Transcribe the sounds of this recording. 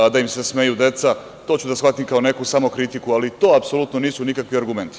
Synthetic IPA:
d̪aimsesme̞jud̪e̞t̪sa | t̪o̞ːt͡ɕud̪asxʋat̪imkao̞ne̞kusaːmokɾit̪ikualit̪o̞ːapso̞lut̪noniːsunikakʋiaɾɡume̞nt̪i̥

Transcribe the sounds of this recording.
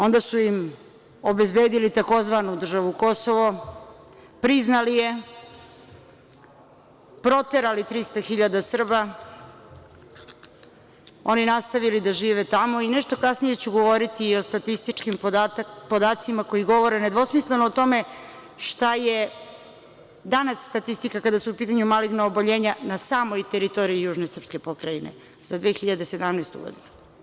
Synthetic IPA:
o̞nd̪asuim | obe̞zbeːd̪ilit̪ako̞zʋanud̪r̩ʒaʋuko̞soʋo | pɾiznalije̞ | pɾo̞t̪eɾalit̪ɾist̪axiʎad̪asr̩ba | o̞ninast̪aʋilid̪aʒiːʋet̪amo̞inɛʃt̪o̞kasnije̞t͡ɕuɡo̞ʋo̞ɾit̪iːo̞st̪at̪ist̪it͡ʃkimpo̞d̪aːt̪simako̞jiɡo̞ʋo̞ɾened̪ʋo̞smisle̞noːt̪o̞me̞ | ʃt̪aje | d̪anasːt̪at̪ist̪ikakad̪asuupiːt̪aɲumaliɡnaoboʎe̞ːɲanasaːmo̞jt̪eɾit̪o̞ɾiːjuːʒnesr̩pske̞po̞kɾainḛ | zad̪ʋeːxiʎad̪ese̞d̪amnajst̪ṵɡo̰d̪inu

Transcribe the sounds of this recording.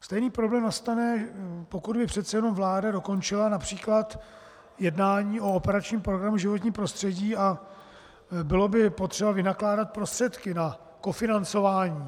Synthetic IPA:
st̪ɛjniːpɾoblɛːmnast̪anɛpo̞kud̪bɪpr̝̥ɛt̪sɛjɛno̞mvlaːdado̞ko̞nt͡ʃɪlanapr̝̥iːklat̪ | jɛdnaːɲiːʔo̞opɛɾat͡ʃɲiːmpɾoɡɾamuʒɪvo̞t̪̬ɲiːmpɾo̞st̪r̥ɛɟiːa | bɪlo̞bɪpo̞t̪r̥ɛbavɪnaklaːdat̪̚pɾo̞st̪r̥ɛt̪kɪna | ko̞fɪnant͡so̞vaːɲiː

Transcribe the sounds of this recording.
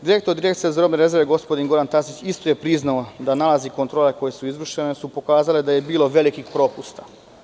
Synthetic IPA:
d̪iɾek̚t̪oɾd̪iɾekt̪sijezaɾo̞bneɾe̞zeɾʋe̞ɡo̞spo̞d̪inɡo̞ɾant̪asit͡ɕist̪o̞je̞pɾiznao̞d̪analaziko̞nt̪ɾo̞ːle̞ko̞jesuizʋr̩ʃe̞nesupo̞kaːzale̞d̪aje̞biːlˠo̞ʋe̞likixpɾo̞pust̪a

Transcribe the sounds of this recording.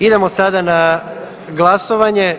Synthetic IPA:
id̪e̞mosad̪ana | ɡlˠasoʋaɲe̞

